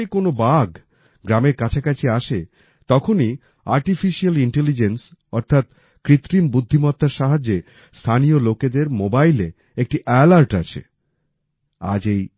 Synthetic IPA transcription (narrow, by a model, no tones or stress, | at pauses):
ekonobaɡ | ɡɾameɾkat͡ɕʰakat͡ɕʰiaʃe | t̪ɔkʰoni | aɾʈifiʃialiɳʈelid͡ʑensɔɾt̪ʰat̪ | kɾit̪ːɾimbud̪ʱːimɔt̪ːaɾʃaɦad͡ʑːe | st̪ʰanioloked̪eɾmobajle | ek̚ʈiʔɛlaɾʈat͡ɕʰḛ | a̰d͡ʑej